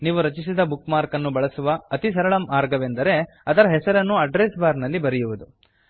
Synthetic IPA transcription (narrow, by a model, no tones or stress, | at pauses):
niːʋuɾɐt͡ʃis̬id̪ɐbukmaːɾkɐnːubɐɭɐsuʋɐːt̪isɐɾɐɭɐmʔaːɾɡɐʋend̪ɐɾe̞ | ɐd̪ɐɾɐɦɛsɐɾɐnːuɐɖɾeːsbaːɾnɐlːibɐɾijuʋud̪u